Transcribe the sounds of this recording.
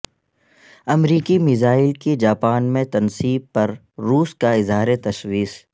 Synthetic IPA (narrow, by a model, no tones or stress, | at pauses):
ɐmɾiːkimɪzaːɪlked͡ʒaːpaːnmẽt̪ɐnsiːb̚pɐɾː | uːskaɪzɦaːɾet̪ɐʃwiːs